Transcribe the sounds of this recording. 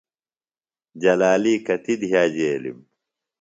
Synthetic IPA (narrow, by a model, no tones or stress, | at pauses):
d͡ʑɐlaːliːkɐt̪id̪ɦaːd͡ʑeːlḭm